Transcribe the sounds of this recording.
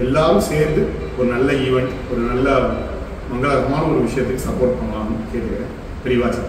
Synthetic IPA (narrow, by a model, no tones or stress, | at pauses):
ɛlːaːɾɯ̃seːɾnd̪ɯ | ɔɾɯnɐlːɐɪʋɛɳʈ | ɔɾɯnɐlːɐ | mɐŋɡɐɭɐɣɐmaːnɐɔɾɯʋɪʂɐjɐt̪ːɯkːɯsɐpːoːɾʈ̚pɐɳaːŋɐkeːʈkɐɾe | p̪ɛɾɪʋaːt͡ʃɐ